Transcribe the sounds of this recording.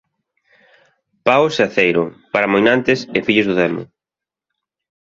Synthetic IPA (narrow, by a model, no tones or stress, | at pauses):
paʊseaθejɾʊpaɾamojnant̪ɪsɪfiʎʊzðʊðɛmʊ̰